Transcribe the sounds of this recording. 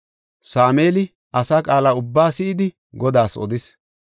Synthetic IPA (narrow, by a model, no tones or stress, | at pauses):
saːmeːlɪ | ʔɐsaːkʼaːlaːʊbːaːsɪʔɪd̪ɪ | ɡɔd̪aːsɔ̰d̪ɪs